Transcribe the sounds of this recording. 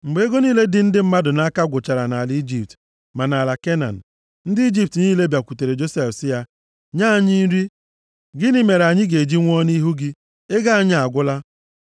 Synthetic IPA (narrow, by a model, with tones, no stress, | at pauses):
ŋ͡m̩˨ɡ͡be˨˦e˦ɡo˦niː˦le˦dɪ˦n̩˦dɪ˦m̩˦ma˦dʊ˨na˦a˦ka˦ɡʷʊ˨t͡ʃa˨ɾa˨na˨li˦d͡ʒi˨p̚t | ma˨na˨la˨ke˦na̰˨n̩˨ | n̩˦dɪ˦i˦d͡ʒi˦p̚tniː˦le˦bja˨kʷu˨te˨ɾe˨d͡ʒo˦se˦fsɪ˦ja˦ | ɲa˦˨ɲi˦ɾi˦ | ɡɪ˦nɪ˦me˨ɾa˨ɲɪ˦ɡe˨d͡ʒi˦ŋʷ˦ɔ˦ni˦ɦu˦ɡɪ˦ | e˦ɡa˦a˦ɲɪ˦a˨ɡʷʊ˦la˦